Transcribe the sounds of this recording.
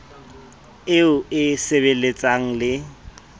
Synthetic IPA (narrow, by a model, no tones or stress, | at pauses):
ɪʊɪseβelet͡sʼaŋ̩lɪ